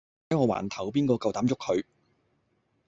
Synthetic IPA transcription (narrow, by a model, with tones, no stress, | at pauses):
ɐ˨˥jŋɔː˧wa̰ː˨˩nt̪ʰɐ˨˩wpiː˥nkɔː˧kɐ˨˧wt̪aː˨˥mt͡sʊ˥k̚ʰhɵ˨˧ɥ